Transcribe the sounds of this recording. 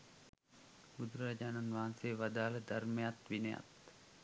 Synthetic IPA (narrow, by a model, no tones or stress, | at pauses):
bud̪uɾəɾad͡ʒaːnanʋaɦanseːʋad̪aːləd̪armejat̪ʋinəja̰t̪